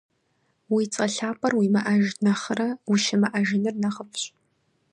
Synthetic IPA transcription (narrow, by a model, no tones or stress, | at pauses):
wit͡sʼɐɬaːpʰʼɐrwimɐʔɐʒnɐχərɐwuʃɪmɐʔaʒɪnɨrnɐχəpʰɕʼ